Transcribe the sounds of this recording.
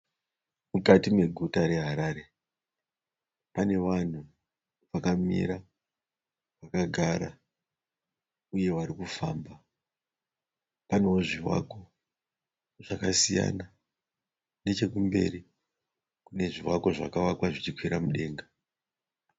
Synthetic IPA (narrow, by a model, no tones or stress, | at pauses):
mukatime̞ɡʱutaɾe̞ɦaɾaːɾe̞ | pane̞ʋan̤u | ʋakamḭɾa | ʋakaɡʱaɾa̰ | uje̞ʋaɾikufaːmba | pane̞woʐiwa̰ko̞ | ʐ̥akasija̰na | ne̞t͡ʃe̞kumbe̞̰ri | kune̞ʐiwako̞ʐakaʋakwaʐit͡ʃikwiɾamuɗe̞ːŋɡa